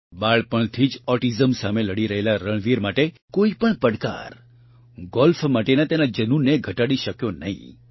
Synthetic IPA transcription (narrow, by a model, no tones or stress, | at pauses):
baɭpəɳt̪ʰid͡ʒɔʈizəmsameləɽiɾəɦelaɾəɭʋiɾmaʈe | koipəɳpəɽka̰ɾ | ɡɔlfmaʈenat̪enad͡ʒənunːeɡʱəʈaɽiʃəkjonəɦḭ̃